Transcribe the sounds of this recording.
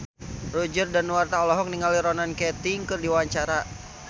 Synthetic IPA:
rud͡ʒərdanwart̪aɔlɔɦɔk̚niŋaliɾɔnankɛt̪iŋkɨrdiwaɲt͡ʃaɾa

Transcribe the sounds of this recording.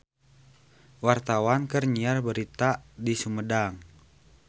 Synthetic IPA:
wart̪awankərɲiarbəɾit̪adisumədaŋ

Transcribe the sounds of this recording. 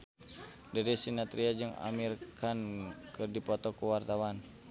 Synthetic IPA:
daɾisinat̪ɾiad͡ʒəŋa̰mirkankərdipɔt̪ɔkuwart̪awan

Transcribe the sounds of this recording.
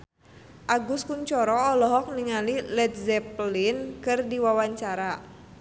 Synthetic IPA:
ʔaɡuskuɲt͡ʃɔɾɔːlɔɦɔk̚niŋalilɛt̪̚zɛplinkɨrdiwawaɲt͡ʃaɾa

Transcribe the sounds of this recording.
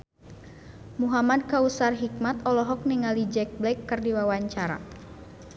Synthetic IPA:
muɦamad̚kausarɦik̚mat̪ɔlɔɦɔk̚niŋalid͡ʒɛk̚blɛkːɨrdiwawaɲt͡ʃaɾa̰

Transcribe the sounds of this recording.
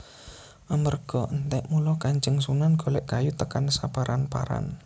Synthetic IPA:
ʔamərɡ̥ɔənt̪ɛʔmulɔkaɲd͡ʒəŋsunanɡ̥o̤lɛʔkajut̪əkansapaɾʔanpa̰ɾa̰n

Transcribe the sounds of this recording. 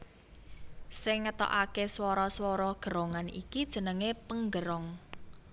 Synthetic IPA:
sɪŋːət̪ɔ̰ʔakeswɔɾɔswɔɾɔɡ̥ə̤ɾɔŋanḭkid̥ʒ̥ə̤nəŋepəŋɡəɾɔŋ

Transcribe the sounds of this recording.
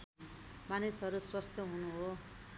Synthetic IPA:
manisʌɾuswast̪jʌɦunuɦo

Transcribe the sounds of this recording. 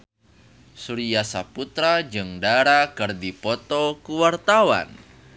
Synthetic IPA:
suɾijasaput̪ɾad͡ʒɨŋdaɾakɨrdipɔt̪ɔkuwart̪awa̰n

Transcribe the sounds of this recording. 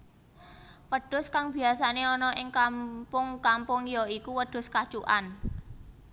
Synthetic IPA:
wəɖ̥ʊ̤skaŋb̥i̤asaneɔnɔʔɪŋkampʊŋkampʊŋjɔikuwəɖ̪̥ʊ̤skḁt͡ʃuʔa̰n

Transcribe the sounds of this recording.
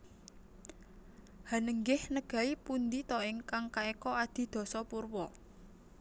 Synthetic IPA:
ha̤nəŋɡɪhnəɡ̥ä̤ipund̪it̪ɔɪŋkaŋkaekɔad̪̥i̤d̪̥ɔ̤sɔpurwɔ

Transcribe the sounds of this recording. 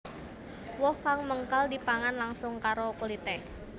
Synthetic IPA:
wɔhkaŋməŋkaldipaŋanlaŋsʊŋkaɾokulit̪ɛk

